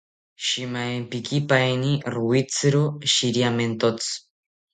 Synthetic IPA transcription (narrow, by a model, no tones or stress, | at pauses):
ʃimajmpikipajniɾuit͡sɨɾoʃiɾjament̪ot͡sɨ̥